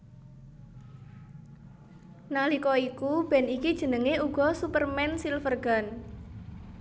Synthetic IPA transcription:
nalikɔikub̥ɛ̤nikid̥ʒ̥ə̤nəŋeuɡ̥ɔ̤supərmɛnsilfərɡ̥a̤n

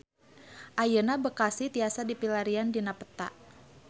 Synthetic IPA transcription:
ʔajənabəkasit̪iasadipilaɾiandinapə̥t̪a̰ʔ

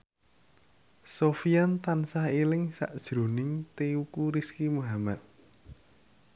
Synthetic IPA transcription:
sofiant̪ansahielɪŋsa̰ʔd̥ʒ̥ɾo̤nɪŋt̪eukuɾiskimuɦamat̪̚

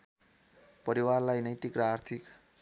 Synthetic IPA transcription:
pʌɾiwarlajnʌjt̪ikraːrt̪ʰik

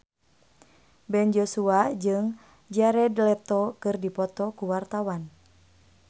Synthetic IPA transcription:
bɛnd͡ʒosuad͡ʒɨŋ | d͡ʒaɾɛdlɛt̪ɔkɨrdipɔt̪ɔkuwart̪awan

